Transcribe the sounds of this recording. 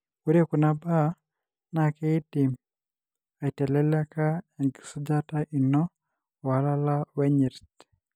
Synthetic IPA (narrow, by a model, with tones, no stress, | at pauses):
u˦ɾje˦ku˨na˨ba˦ | nakɛ˦i˦ti˨m | a˨i˨tɛ˨lɛla˦ka˦a˨ŋɡi̥˨su˦d͡ʒa˦taʔi˨nɔ˦ | wa˨la˦la˦wɛ˦ɲi˨ɾt